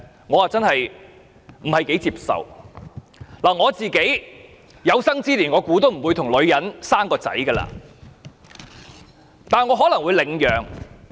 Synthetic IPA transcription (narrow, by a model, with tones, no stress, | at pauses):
ŋɔː˨˧waː˨˧t͡sɐ˥nhɐ˨j | m̩˨˩hɐ˨jke˨˥jt͡siː˧p̚sɐ̰˨w | laː˨˩ŋɔː˨˧t͡siː˨ke˨˥j | jɐ˨˧wsɐ˥ŋt͡siː˥liː˨˩nŋɔː˨˧kuː˨˥t̪̬o˥wm̩˨˩wuː˨˧jt̪ʰʊ˨˩ŋlɵ˨˧ɥjɐ˨˥nsaː˥mkɔː˧t͡sɐ̰˨˥jɡɐː˧la̰ː˧ | t̪aː˨nɐ˩ŋɔː˨˧ɦɔː˨˥lɐ˨˩ŋwu˨˧jlɪ˨˧ŋjœː˨ŋ